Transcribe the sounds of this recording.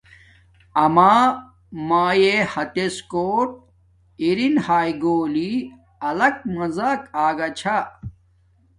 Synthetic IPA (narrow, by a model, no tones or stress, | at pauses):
ɐmaː | maːjehɐt̪eskoːʈ̚ | iɾinhaːjɡoːli | ɐlɐk̚mɐzaːkaːɡɐt͡ɕʰa